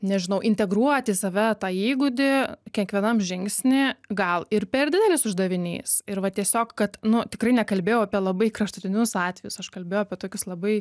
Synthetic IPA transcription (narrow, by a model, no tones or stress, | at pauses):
nʲɛʒʲɪnɐʊʔɪnʲt̪ʲɛɡruɔt̪ʲɪsɐʋʲɛt̪ɑːiːɡʊd̪ʲɪkʲɛŋkʋʲiɛnɐmʒʲɪŋksʲnʲɪɡɐlˠɪɾpʲɛrd̪ʲɪd̪ʲɛlʲɪsʊʒd̪ɐʋʲɪnʲḭːsɪɾʋɐt̪ʲiɛsʲoːkkɐt̪nʊt̪ʲɪkɾɐɪnʲɛkɐlʲbʲeːjɛʊɐpʲiɛlˠɐbɐɪkrɐʃt̪ʊt̪ʲɪnʲʊsɑːt̪ʲʋʲɛjʊsɐʃkɐlʲbʲeːjɛʊɐpʲiɛt̪oːkʲʊslˠɐbɐɪ